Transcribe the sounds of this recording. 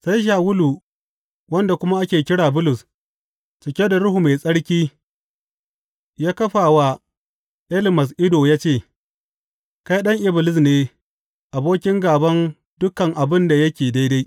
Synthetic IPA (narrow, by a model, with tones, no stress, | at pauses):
sa˦jʃ̬aː˨wʊ˦luː˨ | wɐ˦nda˨kʷʊ˦ma˦ʔa˦kʲeː˨kʲɪ˦ɽaː˨bʊ˦lʊ˨s | t͡ʃɪ˨kʲe˦da˨ɾʊ˦hu˨me˨sʼɐ˦ɽkʲiː˦ | jaː˦kɐ˦ɸaː˨wa˦ | ʔɛ˦lɪ˨mɐ˨s̬ʔɪ˦doː˨jaː˦t͡ʃeː˦˨ | ka˦jɗɐ˦ŋʔɪ˦bɪ˨lɪ˦s̬neː˦ | ʔa˨boː˦kʲɪ˦ŋɡaː˨bɐ˦n | dʊ˦kɐ˨ŋʔa˨bɪ˦nda˨jɐ˦kʲeː˨da˦jda˦j